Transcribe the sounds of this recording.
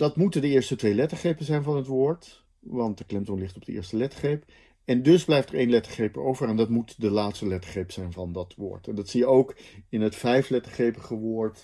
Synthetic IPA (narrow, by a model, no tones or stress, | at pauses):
d̥ɑtmutəndəɪːɹstətʋejlɛtəχejpənzɛjnvɑnɦətʋʊːɹt | ʋɑnt̚dəklɪmtɔnlɪχtɔb̚d̥əɪ̰ːɹstəlɛtə̥χejp | ɛndɵzblɛjftəɹejnlɛtəχejpəɹowvərɛndɑtmutdəlaːtstəlɛtə̥χejpz̥ɛjnvɑndɑtʋʊ̰ːɹtɛndɑtsijəowkɪnɦətfɛjflɛtəɹχejpəχəʋʊːɹt